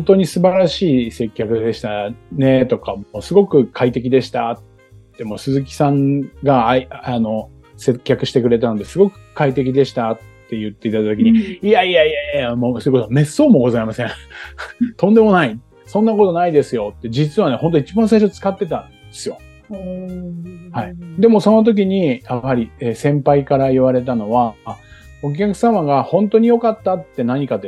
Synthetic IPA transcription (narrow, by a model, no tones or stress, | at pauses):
õnt̪o̞ɲ̟isɨbaɾaɕiːse̞kʲːakɯ̟d̪e̞ɕi̥t̪ane̞t̪o̞kamoːsɨɡo̞kɯ̟kʰait̪e̞k̬ʲid̪e̞ɕi̥t̪at̪ː | emo̞ːsɨzɨkʲi̥sãŋɡaano̞ | se̞kʲːakɯ̟ɕi̥t̪e̞kɯ̟ɾe̞t̪̬ano̞d̪e̞sɨɡo̞kɯ̟̥kait̪e̞k̬ʲid̪e̞ɕi̥t̪at̪ːe̞jɯ̟t̪ːe̞it̪at̪okʲiɲ̟iiaiaiaiamoːsojikot̪ome̞sːo̞ːmo̞ɡo̞zaimasẽ | t̪õ̞nd̪e̞mo̞nai | sõ̞nːakot̪o̞naid̪e̞sɨjo̞t̪ːe̞d͡ʑit͡sɨβane̞hõ̞nt̪o̞it͡ɕibãɰ̃s̬aiɕ̬o̞t͡sɨ̥kat̪ːe̞t̪ãnd̪esɨjo̞ | haid̪e̞mo̞so̞no̞t̪̬o̞k̬ʲiɲ̟ijahɦaɾʲiesẽ̞mpaikaɾaiβaɾe̞t̪̬ano̞βa | o̞k̬ʲakɯ̟̥samaɡahõ̞nt̪o̞ɲ̟ijo̞kat̪ːat̪ːe̞naɲ̟ikat̪e